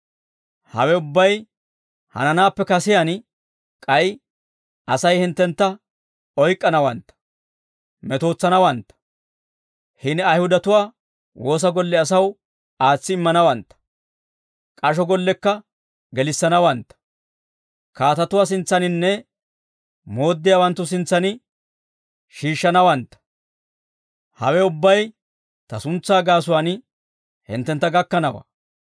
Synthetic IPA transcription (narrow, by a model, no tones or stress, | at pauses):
hɐ̰wɛʊbːɐj | hɐ̰nɐnaːpːɛkɐsɪjan | kʼɐj | ɐsɐjhɪnt̪ːɛnt̪ːɐ | ɔjkʼːɐnɐwɐnt̪ːɐ̥ | mɛt̪o̞ːt͡sːɐnɐwɐnt̪ːɐ̥ | hɪnɐjhʊd̪ɐt̪ʊwaː | wʔo̞ːs̬ɐɡɔlːɛɐs̬ɐw | aːt͡sːɪɪmːɐnɐwɐnt̪ːɐ̥ | kʼɐʃ̬ɔɡɔlːɛkːɐ | ɡɛlɪsːɐnɐwɐnt̪ːɐ̥ | kaːt̪ɐt̪ʊwaːs̬ɪnt͡sːɐnɪnːɛ | mo̞ːd̪ːɪjaːwɐnt̪ːʊs̬ɪnt͡sːɐnɪ | ʃiːʃːɐnɐwɐnt̪ːɐ̥ | hɐ̰wɛʊbːɐj | t̪ɐsʊnt͡sːaːɡaːs̬ʊwaːn | hɪ̰nt̪ːɛnt̪ːɐɡɐkːɐnɐwa̰